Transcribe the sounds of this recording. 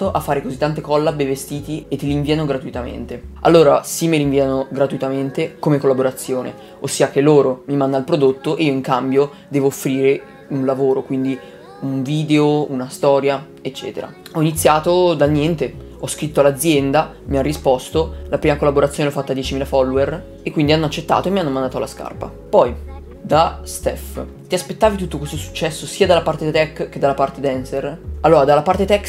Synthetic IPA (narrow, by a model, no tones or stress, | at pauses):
oʔafːaːɾekozit̪ːant̪ekɔlːabevest̪iːt̪iet̪ːeliɱviːanoɡɾat̪uit̪amḛnt̪ea̰lːoːɾa̰simːeliɱviːanoɡɾat̪uit̪ament̪ekomekolːaboɾat̪sːjoːnḛ | osːiːak̟elːoːɾomimand̪alpɾod̪ot̪ːoʔeiːoiŋkambjo | d̪ɛːvoːfːɾiːɾe | unlavoːɾokwind̪i | uɱviːd̪eounast̪ɔːɾja | et͡ʃːɛ̰ːt̪eɾa̰ɔinit̪sːjaːt̪od̪alnjɛnt̪e | ɔskɾit̪ːoalːad̪zːjɛnd̪a | mianːispɔst̪olapɾiːmakolːaboɾat̪sjoːneɔfːat̪ːad̪jɛːt͡ʃimiːlafɔlːoer | ekːwind̪ianːoat͡ʃːet̪ːa̰ːt̪oemːianːomãnd̪aːt̪oalaska̰rpa̰ | pɔj | d̪ast̪ɛ̰f | t̪iaspet̪ːaːvit̪ut̪ːokwest̪osu̥t͡ʃːɛsːosiːad̪alapart̪et̪ɛkːked̪alːapart̪ed̪ɛnseralːoːɾad̪alːapart̪et̪ɛk